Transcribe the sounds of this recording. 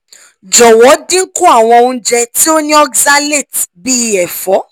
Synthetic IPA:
d͡ʒɔ˨wɔ˨˦dĩ˦ŋ̩˦ku˦a˦˨w̃ɔ̃˧˦d͡ʒɛ˧ti˦o˦nĩ˦ɔ˦ɡza˦le˦˨tbi˦˧˦ɛ˨fɔ˨˦

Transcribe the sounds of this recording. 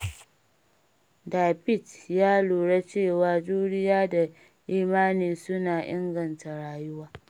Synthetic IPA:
daː˨bɪ˦˨tjaː˦luː˨ɽe˦t͡ʃeː˦˨waː˦d͡ʒuː˦ɽɪ˦jaː˦da˨ | ʔiː˦maː˦niː˨sʊ˦naː˨ʔɪ̰˦ŋɡɐ˨nta˨ɽaː˨jʊ˦waː˦

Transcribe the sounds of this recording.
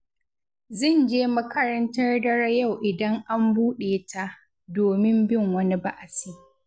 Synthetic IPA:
zɪ˦˨nd͡ʒeː˦mɐ˦kɐ˦ɾɐ˦ntɐ˦rdɐ˦ɽɐ˦ja˦˨wʔɪ˨dɐ˦ŋʔa˦mbuː˦ɗeː˨tʰa˦ʔ | doː˨mɪ˦mbɪ˦˨ŋwɐ˦ni˦ba˦ʔa˨siː˦

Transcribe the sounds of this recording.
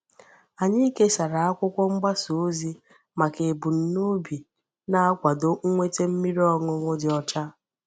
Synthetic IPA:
a˨ɲɪ˦ke˦sa˨ɾa˨a˦kʷʊ˦kʷɔ˦ŋ͡m̩˦ɡ͡ba˦su˨˦zi˦ | ma˨ke˨bu˨n̩˨nu˦bi˨ | na˦a˦kʷa˨do˨˦ŋʷe˦te˦m̩˦mi˦ɾi˦ɔ˦ŋʊ˦ŋʷʊ˦dɪ˨ɔ˨t͡ʃa˦

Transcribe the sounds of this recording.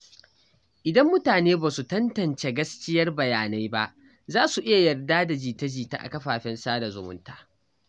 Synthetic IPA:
ʔɪ˨dɐ˦mːʊ˦taː˨neː˦baː˨su˨tɐ˦ntɐ˨nt͡ʃe˨ɡɐ˦skʲɪ˦jɐ˦rbɐ˨jaː˨na˦jba˦ʔ | zaː˦su˨ʔɪ˦ja˨jɐ˨rdaː˦da˨d͡ʒiː˨ta˦d͡ʒiː˨ta̰˦ʔa̰˨kɐ˦ɸaː˨ɸɛ˦nsaː˦da˨zʊ̰˨mʊ̰˦ntaː˨

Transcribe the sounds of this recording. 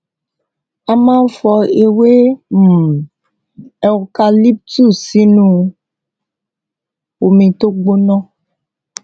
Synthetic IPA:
a˨mã˦fɔ˧e˨we˦m̩˨ | ɛ˨wka˨li˦p̚tu˦˨si˦nũ˦ | wo˨mĩ˨t̪o˦ɡ͡bo˦nɔ̃˦

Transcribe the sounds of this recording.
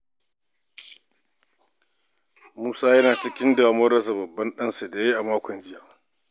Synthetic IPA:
muː˦saː˦jɐ˦naː˨t͡ʃɪ˦kʲɪ˦nda˨mɐ˦ɽɐ˨s̬a˨bɐ˨bːɐ˦nɗɐ˦nsa˨da˨je˦ʔa˨maː˦kʷɔ˨nd͡ʒɪ˦jaː˨

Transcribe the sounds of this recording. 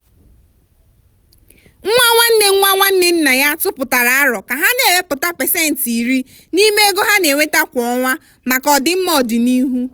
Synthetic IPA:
ŋ̩˦ŋʷa˦ŋʷa˦n̩˦ne˦ŋʷa˦ŋʷa˦n̩˦nɪ˦n̩˦na˨ja˦tʊ˦pʊ˨ta˨ɾa˨a˦ɾɔ˨ka˨ɦa˦ne˨we˦pʊ˨ta˦pe˨se˦˨n̩˨ti˨ɾi˦ | ni˦me˦e˦ɡo˦ɦa˦ne˨wʷe˦ta˦kʷɔ˨˦ŋʷa˦ | ma˨kɔ˨dɪ˦m̩˦mɔ˦˨di˨ni˦ɦu˦

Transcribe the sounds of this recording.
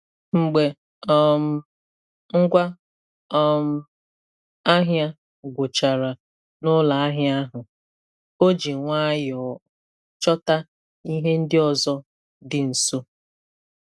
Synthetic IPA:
ŋ͡m̩˨ɡ͡be˨ | ɔ˦m̩˦ | ŋ̩˦ɡʷa˦ | ɔ˦m̩˦ | a˦ɦja˦ | ɡʷʊ˨t͡ʃa˨ɾa˨ | nʊ˦la˨a˦ɦja˦ɦʊ˨ | o˦d͡ʒi˨ŋʷa˦jɔ˨˦ | t͡ʃɔ˦ta˦ | i˦ɦe˦n̩˦dɪ˦ɔ˨zɔ˦ | dɪ˨n̩˨so˦

